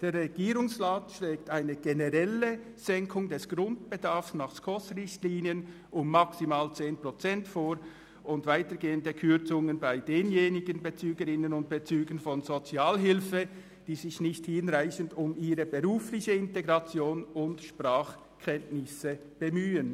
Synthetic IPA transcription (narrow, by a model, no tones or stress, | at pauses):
d̥eːɾʁɛɡ̥iːɾʊŋsʁaːtʃlɛːktaɪnəɡ̥enəʁɛlə | z̥ɛŋkʰʊŋdɛsɡ̥ʁʊnt̚b̥edaɐfsnaχskʰɔsʁɪçtliːniən | ʊmːaksimaːlt͡seːnpʁ̥ɔt͡sɛntfoːɾ | ʊntvaɪtəɡeːəndəkʰʏt͡sʊŋənbaɪdeːnjeːnɪɡənbet͡syːɡəɾɪnənʊnt̚b̥et͡syːɡənfɔnzot͡siaːlɦɪlfə | d̥iːzɪçnɪçthɪnʁaɪçəndʊmiːɾəbəʁuːflɪçəɪnteɡʁɑt͡sjoːnʊntʃpʁaːχ | kʰɛntnɪsə | b̥emyːən